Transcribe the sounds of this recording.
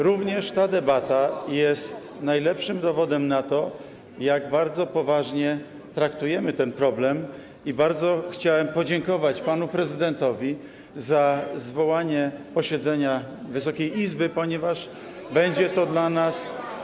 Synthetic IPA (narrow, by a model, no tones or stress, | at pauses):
ɾuvɲɛʂt̪ad̪ɛbat̪ajɛst̪ | najlɛpʂɘmd̪ɔvɔd̪ɛmnat̪ɔ | jaɡbaɾd̪zɔpɔvaʐɲɛ | t̪ɾakt̪ujɛmɘt̪ɛnpɾɔblɛm | ibaɾd̪zɔxt͡ɕawɛmpɔd͡ʑɛŋkɔvat͡ɕpanupɾɛzɘd̪ɛnt̪ɔvʲi | zazvɔwaɲɛpɔɕɛd̪zɛɲa | vɘsɔkʲejizbɘpɔɲɛvaʂ | bɛɲd͡ʑɛt̪ɔd̪lanas